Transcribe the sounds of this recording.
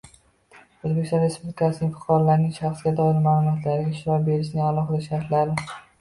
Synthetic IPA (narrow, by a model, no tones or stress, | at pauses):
ozbekʲst̪ɒ̃nɾe̞spublɪkʰasɪnɪŋʲfɨ̥qʰɒɾlaɾnɪŋʃaχsɡʲad̪ɒɪlmaːlˠʊmɒt̪ʰlaɾɪɡʲaʃɪɾɒbe̞ɾɪʃ̬nɪalˠɒχɨd̪aʃaɾt̪ʰlaɾɪ